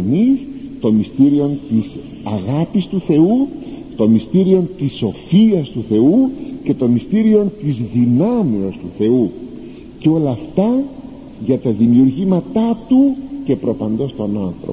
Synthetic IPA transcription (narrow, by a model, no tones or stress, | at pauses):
nist̪o̞mist̪iɾio̞nt̪is | ɐɣɐpist̪uθe̞ut̪o̞mist̪iɾio̞nt̪iso̞fiɐst̪uθe̞uce̞t̪o̞mist̪iɾio̞nt̪izðinɐmiost̪uθe̞u | ceo̞lɐːft̪ɐ | ʝɐt̪ɐðimiuɾʝimɐt̪ɐt̪uce̞pɾo̞pɐnd̪o̞st̪o̞nonθɾo̰